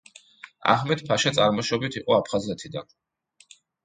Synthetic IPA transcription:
a̰hmɛt̪pʰaʃat̪sʼaɾmɔʃɔbit̪ʰiqʼɔapʰχazɛt̪ʰid̪a̰n

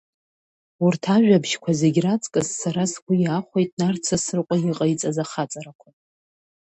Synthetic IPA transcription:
urtʰaʒᶣabʒkʷʰazeɡʲrat͡sʼkʼɨzːaɾaskʷʰujaχʷejtʼnart͡sʰasɨrqʷʼajiqʼait͡sʼazaχat͡sʼaɾakʷʰa

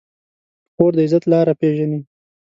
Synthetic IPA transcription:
xoːɾd̪əɪzat̪lɑɾapeʒani

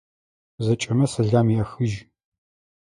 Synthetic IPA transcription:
zɐt͡ʃʼɐmɐsɐɮaːmiɐxɨʒ

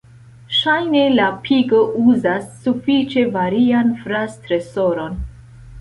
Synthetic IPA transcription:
ʃajne̞lapʰiɡoʔuzasːufit͡ʃe̞vaɾianfɾastɾe̞so̞ɾo̞n

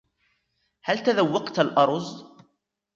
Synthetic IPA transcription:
halt̪aðawːɑqt̪alʔɑɾˤz

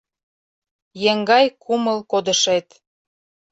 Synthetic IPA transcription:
jeŋɡɑjkʰuməlkod̪ə̆ʃet̪

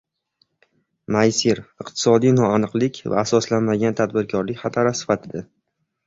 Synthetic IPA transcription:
majsiɾɨqt̪ʰɪ̥sɒd̪ijnɒanɨqlˠɪkʲʰva̰ːsɒslanmaɡʲant̪ʰad̪bɪɾkʰɒɾlɪkʲχat̪ʰaɾasɪ̥fat̪ʰɪd̪a

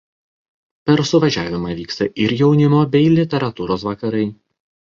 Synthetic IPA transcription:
pʲɛɾsʊʋɐʒʲæːʋʲɪmɑːʋʲiːkst̪ɐʔɪɾjɛʊnʲɪmoːbʲɛɪlʲɪt̪ʲɛɾɐt̪uːɾoːsʋɐkɐɾɐɪ

